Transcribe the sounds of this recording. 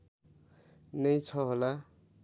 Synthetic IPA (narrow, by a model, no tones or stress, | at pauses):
nʌjt͡sʰʌɦola